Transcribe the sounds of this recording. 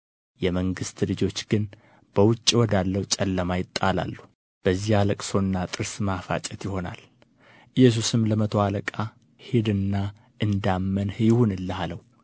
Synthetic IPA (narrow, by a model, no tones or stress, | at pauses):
jɛməŋɡɨst̪lɨd͡ʒo̞t͡ʃːɡ̥ɨn | b̥əwʊt͡ʃʼːiwɔd̪alːəwt͡ʃʼɛlːəmajɪt̪ʼːala̰lːu | b̥əzːihaləkʼso̞nːat̪ʼɨɾsmafa̰t͡ʃʼɛt̪jɪho̞na̰l | ʔɨjːɛs̬usɨmləmət̪ʰo̞aləkʼa | hed̪ɨnːa | ʔɨnd̪amːənhɨjɪhunɨlːəhaləw